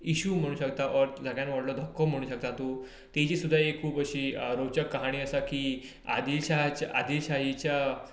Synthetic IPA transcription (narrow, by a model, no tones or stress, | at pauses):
iɕum̤əɽ̃ũːɕəkt̪aʔɔɾd͡zʱaɡjanʋaɽlɔd̪ʱɔkːɔm̤əɽ̃uːɕək̚t̪at̪o | t̪et͡ɕiːsud̪ʱːaekʰuːpəɕiːɾowt͡ɕəkːəɦaɽ̃iːəsakiː | a̰d̪ilɕaɦt͡ɕa̰d̪ʱilɕaɦit͡ɕja